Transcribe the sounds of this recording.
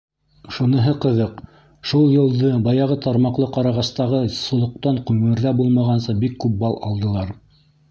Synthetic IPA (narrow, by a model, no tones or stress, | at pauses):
ʃunɤ̆ɦɤqɤ̆ðɤq | ʃulˠjɤ̆lˠd̪ɤbɑjɑʁɤt̪ʰɑɾmɑqlˠɤqɑɾɑʁɑst̪ɑʁɤsŏlˠŏq̚t̪ɑɴqʉmɘ̆ɾðæbulˠmɑʁɑnsɤbikːʉp̚bɑlˠʔɑ̰lˠd̪ɤ̆lˠɑɾ